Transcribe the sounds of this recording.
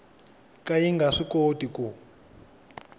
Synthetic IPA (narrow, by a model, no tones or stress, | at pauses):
kajiŋɡaʂikotiku